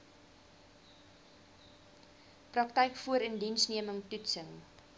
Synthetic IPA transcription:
prɐktɛjkfuəɾəndinsniəməŋtutsəŋ

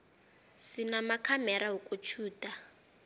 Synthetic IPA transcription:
sinamakʰamɛɾaɦukʼut͡ʃʰuːtʼa

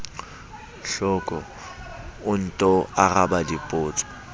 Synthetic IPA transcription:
ɬɔkʼɔ | ʊn̩tʼɔaɣabadɪpʼʊːt͡sʼɔ̥

